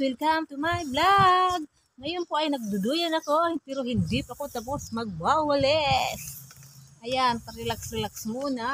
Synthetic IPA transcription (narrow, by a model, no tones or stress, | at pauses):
wɪlkamt̪ʊmajblaɡ̚ | ŋɐjonpoʔɐjnɐɡ̚d̪ʊd̪ujanɐkopɛɾoɦɪnd̪ɪpɐkot̪ap̬osmɐɡ̚bawɐlɛs | ʔɐjanpɐɾɛlaksɾɛlaksmuːna